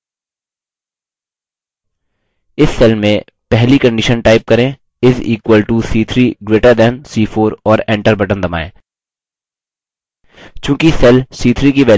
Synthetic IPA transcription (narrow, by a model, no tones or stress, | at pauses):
ɪsːɛlmẽ | pɛɦlikə̃ɳɖɪʃənʈaːɪp̚kɐɾẽː | ɪziːkwəlʈusiːt̪ʰɾiːɡɾeːʈəɾd̪ɛnsiːfʰoːɾɔːɾɛ̃ːɳʈəɾbɐʈə̃nd̪ɐma̰ːḛ̃ː | t͡ʃjũːkisɛlsiːt̪ʰɾiːkiʋɛː